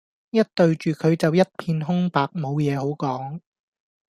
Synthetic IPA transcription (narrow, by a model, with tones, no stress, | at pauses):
jɐ˥t̚t̪ɵ˧ɥt͡ʃyː˨kʰɵ˨˧ɥt͡sɐ˨wjɐ˥t̚pʰiː˧nɦʊ˥ŋpaː˨k̚mo˨˧wjɛː˨˧ɦo˨˥wkɔː˨˥ŋ